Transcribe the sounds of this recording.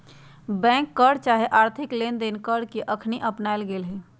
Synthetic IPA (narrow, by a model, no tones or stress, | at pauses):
bɛ̃ːŋkːəɽt͡ʃaɦeʔaːɾt̪ʰɪklend̪enkəɽkeʔəkʰniʔəpnaːɪlɡeːlɦɛ